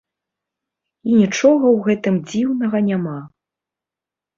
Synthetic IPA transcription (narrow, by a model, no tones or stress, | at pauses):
inʲit͡ʂɔɣɐwɣɛt̪ɨmd͡zʲiwnɐɣɐnʲama